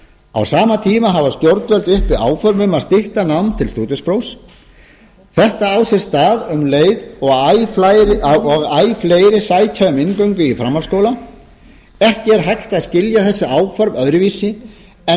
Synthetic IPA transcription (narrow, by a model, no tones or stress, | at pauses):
a̰wsaːmat̪ʰiːmaɦavast̪jowɾt̪vɛlt̪ʏhpvɪa̰ːwfœɾvʏmaðst̪ɪht̪anawmnt̪ʰɪlst̪uːt̪ʏspɾows | θɛht̪aawsɛst̪aːðʏmleːjðɔɣjɾɔɣaːjfleːjɾɪsaːjc̪ʰaʏmɪnkœɥŋkʏifɾamːalskowla | ɛhcɪɛɾɦajxt̪aðscɪljaθɛsːɪaːwfœɾvœðɾɪviːsɪ | ɛ